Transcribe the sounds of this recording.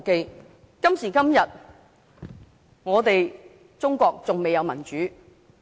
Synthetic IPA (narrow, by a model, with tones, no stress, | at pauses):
ke˧j | kɐ˥msiː˨˩kɐ˥mjɐ˨t̚ | ŋɔː˨˧t̪e˨j | t͡sʊ˥ŋkʷɔː˧k̚t͡sʊ˨ŋme˨jɐ˧wmɐ˨˩nt͡ʃyː˨˥